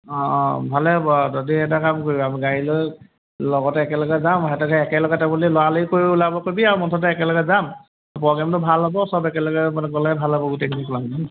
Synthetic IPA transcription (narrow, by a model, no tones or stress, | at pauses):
ɔ̃bʱalɛɦɔbɔzodiɛt̬akamkoɹibɔamiɡaɹilo | lɔɡɔtɛːkɛlɔɡɛzamɦɛtɔɡʰʱaɛkɛlɔɡatɛbulilɔwalojkoɹibulabɔkobiaɹumɔntʰɔt̬ɛɛkɛlɔɡɛzam | pɔɡamtʊbʱalɦɔbɔsɔbɛkɛlɔkɛmanɛɡɔlabʱalɦɔbɔɡutekʰinikulamdɔn